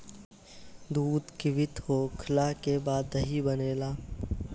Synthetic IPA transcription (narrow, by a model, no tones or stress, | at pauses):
d̪uːd̪kɪʋɪt̪ɦoːkʰəlaːkebaːd̪ːɐɦibɐneːlaː